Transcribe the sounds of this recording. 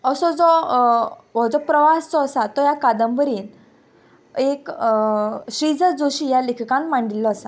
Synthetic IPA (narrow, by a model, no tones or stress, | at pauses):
əsɔd͡zɔ | ʋɔd͡zɔpɾəʋast͡sɔəsat̪ɔjakad̪əmbəɾiːn | ek | ɕɾid͡zəd͡zoɕijalekʰkãnmaɳɖilːɔəsa